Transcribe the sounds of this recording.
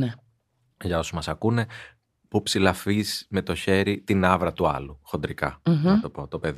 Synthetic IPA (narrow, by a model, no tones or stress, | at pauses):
ne | ʝɐo̞sumɐsɐkune̞ | pupsilɐfisme̞t̪o̞çe̞ɾit̪inɐvɾɐt̪uɐ̰luxo̞nd̪ɾikɐ̰nɐt̪o̞po̞t̪o̞pe̞ð